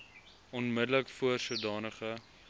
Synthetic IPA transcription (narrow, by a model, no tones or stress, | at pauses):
ɔnmədələkfuərsuədɑːnəχə